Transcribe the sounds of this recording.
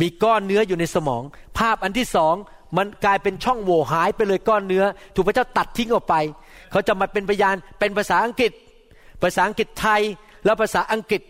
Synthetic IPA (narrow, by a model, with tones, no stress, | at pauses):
miː˧kɔː˥˩nːɯ˦˥ɐjuː˨˩na˧jsa˧mɔ̰ː˩˦ŋpʰaː˥˩p̚ʔa˧nt̪ʰiː˥˩sɔː˩˦ŋ | ma˧nklaː˧jpe˧nt͡ɕʰɔ˥˩ŋwoː˨˩ɦaː˩˦jpa˧jlɤː˧jkɔː˥˩nːɯ˦˥ɐt̪ʰu˨˩pʰa˧˦t͡ɕaː˥˩wt̪a˨˩t̪ʰːi˦˥ŋʔɔː˨˩k̚pa˧j | kʰa˦˥wt͡ɕa˨˩ma˨˧˩pe˧npʰa˧jaː˧npe˧npʰaː˧saː˩˦ʔa˧ŋki˨˩t̪̚ | pʰaː˧˩saː˩˦˥ʔa˧ŋki˨˩t̪ʰːa˧j | lɛː˦˥˩wpʰaː˧saː˩˦ʔa˧ŋki˨˩t̪̚